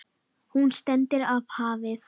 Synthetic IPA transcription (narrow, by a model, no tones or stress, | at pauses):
hunst̪ɛnt̪ɪɾav̥haːvɪs